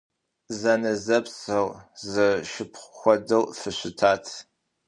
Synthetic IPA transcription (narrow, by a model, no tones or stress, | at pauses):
zɐnɨzɐpsɨʁzɨʃɪpʰχʷxʷɔdɨwfɨɕʷɪtʰaːtʰ